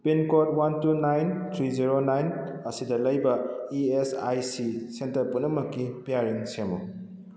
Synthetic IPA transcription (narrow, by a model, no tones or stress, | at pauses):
pinkot̚wantunajntʰɾiziɾonajnɐsidɐlɐjbɐiesajsisentɐɾpunɐmːɐkipijaɾiŋsemṵ